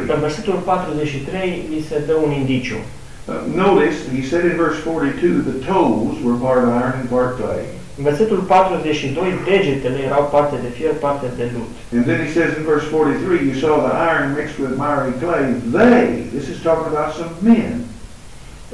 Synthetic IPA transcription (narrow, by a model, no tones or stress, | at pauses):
ɨnverse̞t̪ulpat̪ɾuze̞t͡ʃʃit̪ɾe̞jlise̞d̪əunind̪it͡ʃṵ | noʊɾɨshisɛɾɨ̃nvɜ˞sfɔɹɾitʰʉðɨtʰoʊlˠzwə˞pɑɹɾəvaɪə̃˞nɨ̃npʰɑɹt̚kʰlḛɪ | ɨnve̞rse̞t̪ulpat̪ɾuzet͡ʃʃid̪o̞jde̞d͡ʒet̪ele̞jeɾawpart̪ed̪e̞fierpart̪ed̪e̞lut̪ɨ̃nðɨ̃nisɛzɨ̃nvɜ˞sfɔɹɾiθɹijɨsɔðiʔa̰ɪə̃˞nmɪkst̚wɪðmɛɹikʰleɪðeɪðɪsɨz̥tʰɔkɪ̃ŋəbaʊtsʌ̃mmɛ̃n